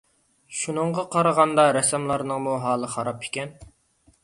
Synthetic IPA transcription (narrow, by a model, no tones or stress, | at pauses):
ʃunəɴʁɑqʰɑɾəʁɑnd̪ɑɾɛsɛmlˠɑɾnəŋmuɦɑːlˠəχɑɾɑpʰɪ̥kʲɛn